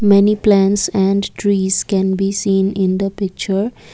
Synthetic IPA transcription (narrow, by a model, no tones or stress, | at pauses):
mɛniplæ̃ɳʈsæ̃ɳɖʈɾiːz̥kɛ̃nbiːsĩːnɪ̃nd̪əpɪk̚t͡ʃəɾ